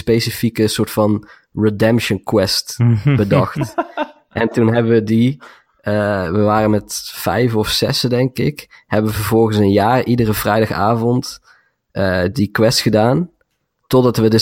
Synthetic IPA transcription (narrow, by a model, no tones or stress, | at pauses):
spejsifikəsʊːɹtfɑn | ɹedɛmpʃənkwɛstbədɑxt | ʔɛntunɦɛbəʋədi | əʋəʋaːrənmɛtfɛ̰jfɔfsɛsdɛŋkɪkhɛbəʋəvəɹvɔlˠɣənsənjaːɹidərəvrɛjdɑχa̰ːvɔnt | ʔədikwɛstxədaːn | tɔdɑtʋədə